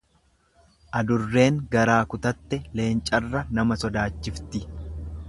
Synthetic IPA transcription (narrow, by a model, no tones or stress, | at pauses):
ʔɐd̪ʊrːe̞ːŋɡɐɾaːkʊt̪ɐt̪ːɛle̞ːnt͡ʃʼɐrːɐnɐmɐsɔd̪aːt͡ʃːɪft̪ɪ